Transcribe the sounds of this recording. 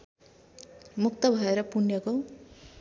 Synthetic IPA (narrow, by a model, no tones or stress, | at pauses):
muk̚t̪ʌbʱʌeɾʌpunjʌko